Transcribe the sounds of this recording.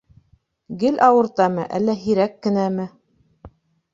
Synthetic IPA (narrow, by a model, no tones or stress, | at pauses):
ɡɘlʔɑwɤ̆ɾt̪ɑmɘʔæ̰lːæɦiɾækːɘ̆næmɘ